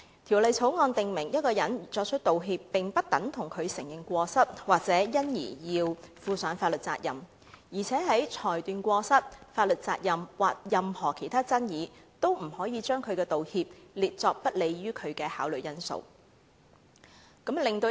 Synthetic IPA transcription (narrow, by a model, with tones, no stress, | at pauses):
t̪ʰiː˨˩wlɐ˨jt͡sʰo˨˥wŋɔː˧nt̪ɪ˨ŋmɪ˨˩ŋjɐ˥t̚kɔː˧jɐ˨˥nt͡sɔː˧k̚t͡ʃʰɵ˥t̚t̪o˨wɦiː˧pːɪ˨ŋpɐ˥t̚t̪ɐ˨˥ŋt̪ʰʊ˨˩ŋkʰɵ˨˧ɥsɪ˨˩ŋjɪ˨˩ŋkʷɔː˧sɐ˥t̚waː˨k̚t͡sɛː˨˥jɐ˥njḭː˨˩jiː˧wfuː˨˧sœː˨˥nfaː˧t̚lɵ˨t̚t͡sa̰ː˧k̚jɐ̰˨m | jiː˨˩t͡sʰɛː˨˥ɦɐ˨˥jt͡ʃʰɔː˨˩jt̪yː˨nkʷɔː˧sɐ˥t̚faː˧t̚lɵ˨t̚t͡saː˧k̚jɐ˨mwaː˨k̚jɐ˨mhɔː˨˩kʰe˨˩jt̪ʰaː˥t͡sɐ˥njiː˨˧t̪o˥wm̩˨˩hɔː˨˥jiː˨˧t͡ʃœː˥ŋkʰɵ˨˧ɥkɛː˧t̪o˨whiː˧p̚liː˨t̚t͡sɔː˧k̚pɐ˥t̚le˨˧jɥyː˥kʰɵ˨˧ɥkɛː˧haː˨˥wlɵ˨ɥjɐ˥nso̰˨˧w | kɐ˨˥mlɪ˨ŋt̪o˧